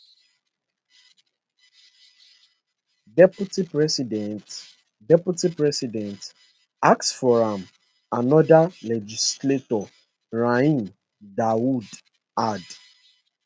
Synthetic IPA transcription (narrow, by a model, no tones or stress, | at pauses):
dɛputipɹɛsidɛ̃nt | dɛpjutipɹɛsidɛ̃nt | aksfɔɹãm | anɔdalɛd͡ʒisletɔ | ɹaĩn | dawud | ad